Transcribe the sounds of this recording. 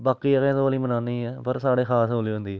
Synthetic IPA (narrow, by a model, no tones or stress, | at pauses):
baːkiːəkẽːt̪oaliːmənãːniːɛːpəɾsaːɽeːkʰaːsoːliːɦõːnd̪iːɛː